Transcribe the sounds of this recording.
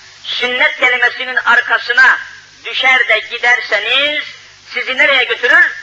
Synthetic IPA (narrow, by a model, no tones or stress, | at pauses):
synːɛt̪̚kʲɛlɪmɛsininɑɾkʰɑsɯnɑ | d̪yʃɛɾd̪ɛɟʲid̪æɾsɛniz̥ | sizinɛɾɛjɛɡʲøt̪ʰyɾyɾ